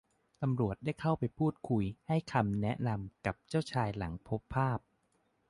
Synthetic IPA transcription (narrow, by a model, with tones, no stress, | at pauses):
t̪a˧mɾu˨˩ət̪̚da˥˩jkʰa˥˩wpa˧jpʰuː˥˩t̪̚kʰu˧jha˥˩jkʰa˧mnɛ˦˥ʔna˧mka˨˩p̚t͡ɕaː˥˩wt͡ɕʰaː˧jla˩˦ŋpʰo˦˥pʰːaː˥˩p̚